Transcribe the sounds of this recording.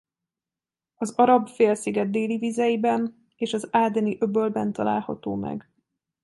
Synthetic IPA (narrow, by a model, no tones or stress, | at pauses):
ɒzɒɾɒbfeːlsiɡɛd̪ːeːlivizɛjibɛn | eːʃɒzaːd̪ɛniʔøbølbɛnt̪ɒla̰ːlhɒ̰t̪oːmɛ̰ɡ